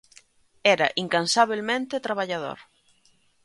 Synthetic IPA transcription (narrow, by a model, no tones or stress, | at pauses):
ɛɾɐ̰ʔiŋkansaβilmẽnt̪ɪt̪ɾaβ̞aʎaðo̰ɾ